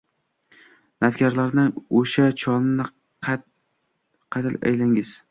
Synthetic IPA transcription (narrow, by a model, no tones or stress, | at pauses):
nafkʲaɾlaɾnɪoʃat͡ʃʰɒnɪnɪ | qʰɑt̪ʰɪla̰jlaŋɪz̥